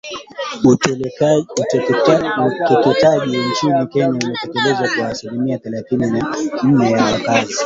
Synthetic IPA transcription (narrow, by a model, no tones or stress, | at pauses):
tɛkɛtaʄint͡ʃinikɛɲaunɛtɛkɛlɛzakwaːsilimiaθɛlaθininan̩nɛwaaɾakazi